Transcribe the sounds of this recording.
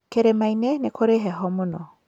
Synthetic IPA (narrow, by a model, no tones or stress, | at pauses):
keɾemainenekʰoɾeɦɛɦɔmonɔ